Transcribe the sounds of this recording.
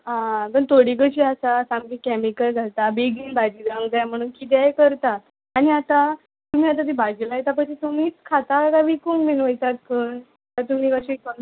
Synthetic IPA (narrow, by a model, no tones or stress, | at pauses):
ɦãpəɳt̪oɽiɡət͡ɕiasasamkikɛmikəld͡zʱat̪abeɡiːnbad͡ʑiːd͡z̪aŋɡd͡zajam̤əɽ̃uːnkit̪̬ajkəɾt̪aː | ñiat̪a | t̪um̤iːat̪̬at̪ibʱad͡ʑilajet̪ap̬ət͡ɕit̪um̤iːt͡skʰat̪aaɡaʋikuŋɡminʋəjt̪at̪̚pʰəːɳ | at̪um̤iːkaɕikən